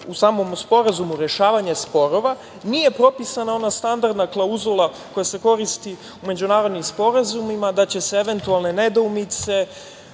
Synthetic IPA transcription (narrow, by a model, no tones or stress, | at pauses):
usaːmo̞mspo̞ɾazumuɾe̞ʃaːʋaɲespo̞ɾoʋa | nije̞pɾo̞pisanao̞nast̪and̪aɾd̪naklˠauzulˠa | ko̞jase̞ko̞ɾist̪i | ume̞d͡ʑunaːɾo̞d̪nimspo̞ɾazumimad̪at͡ɕe̞se̞eʋe̞nt̪ualˠne̞ne̞d̪oumit̪se̞